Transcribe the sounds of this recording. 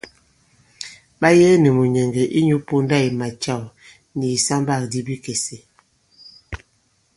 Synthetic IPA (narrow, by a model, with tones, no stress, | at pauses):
ɓa˦jɛ˦nɛ˨mu˨ɲɛ˨ŋɡe˨ʔi˦ɲu˦po˦nda˦˨i˨ma˨t͡ʃa˦˨w | ni˨sa˦mba˦˨k̚di˦bi˦ke˨se˨